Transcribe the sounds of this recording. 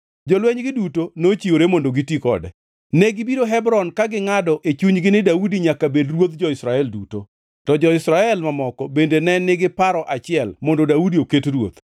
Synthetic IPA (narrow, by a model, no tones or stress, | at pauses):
d͡ʒɔlwɛɲɡɪdutonot͡ʃioɾemondoɡitikɔ̰dɛ̰ | nɛɡɪbiɾoɦɛbɾɔnkaɡɪŋadɔʔet͡ʃuɲɡɪnɪdaudiɲakabedrwot̪d͡ʒɔɪsɾaɛlduto | tɔd͡ʒɔɪsɾaɛlmamɔkɔbendenɛnːɪɡɪpaɾɔʔat͡ʃɪɛlmondodaudioketrwot̪